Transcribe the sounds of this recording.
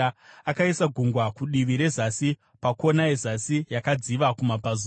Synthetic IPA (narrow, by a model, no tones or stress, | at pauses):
akaisaɡʱuŋɡwakuɗiʋiɾe̞zasi | pako̞naezasijakad͡ziʋakumapaz